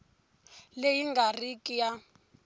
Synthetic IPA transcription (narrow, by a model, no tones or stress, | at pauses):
lejiŋɡarikʼija